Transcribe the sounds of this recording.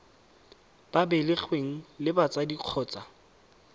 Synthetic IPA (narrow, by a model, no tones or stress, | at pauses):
b̥abɛlɪk͡xʰweŋ̩lɪbat͡sʼadiq͡χʰɔːt͡sʼa